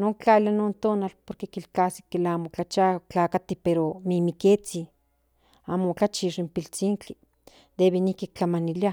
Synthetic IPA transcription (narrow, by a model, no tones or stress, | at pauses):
noŋkt͡ɬalanont̪onalpoɾkekilkasi̥kːelamokat͡ʃat͡ɬakat̪ipeɾomimiket͡si | amokat͡ʃiʂimpilt͡siːŋt͡ɬi | d̪eβinihkik̚t͡ɬamanilia